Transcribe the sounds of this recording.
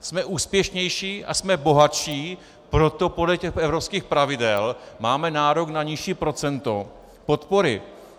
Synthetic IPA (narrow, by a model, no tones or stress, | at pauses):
smɛʔuːspjɛʃɲɛjʃiːʔa̰smɛboɦaʃiː | pɾo̞t̪o̞podlɛcɛxʔɛvɾopskiːxpɾavɪdɛlmaːmɛnaːɾoɡnaɲɪʃiːpɾo̞t͡sɛnt̪o̞ | po̞t̪po̞ɾɪ̰